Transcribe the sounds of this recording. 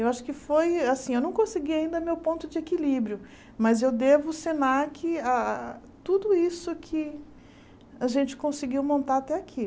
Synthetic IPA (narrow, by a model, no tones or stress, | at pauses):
ewaʃʊ̥kɪfojasĩewnɐ̃w̃kõsɪɡiaĩnd̪ɐmewpõnt̪ʊd͡ʒɪekilibɾjʊ | mɐzewd̪evʊsenaɾkʰɪa | t̪ud̪ʊisʊkʰɪ | aʒẽnt͡ʃɪ̥kõsɪɡiwmõnt̪aɾat̪ɛakʰi